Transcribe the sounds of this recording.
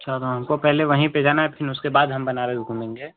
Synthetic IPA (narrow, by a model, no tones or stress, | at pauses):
ɐʃʰat̪oɦɐmkopɛɦleʋɐɦĩped͡ʒaːnaɛpʰɪnʊskebaːd̪ɦɐmbɐnaːɾeɡʱũːmẽːŋɡeː